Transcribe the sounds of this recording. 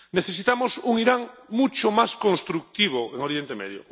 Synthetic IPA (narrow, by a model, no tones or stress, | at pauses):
neθesit̪amosuŋiɾaŋmut͡ʃomaskõnst̪ɾuk̚t̪iβ̞oeŋoɾjent̪emḛðjo̰